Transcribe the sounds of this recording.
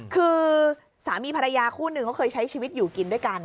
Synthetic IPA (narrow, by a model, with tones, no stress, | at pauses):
kʰɯː˧ | saː˩˦miː˧pʰa˧ɾa˧jaː˧kʰuː˥˩nɯ˧ŋkʰɔ˥˩kʰɤː˧jt͡ɕʰa˦˥jt͡ɕʰiː˧wi˦˥t̪̚juː˨˩ki˧ndu˥˩əjka˧n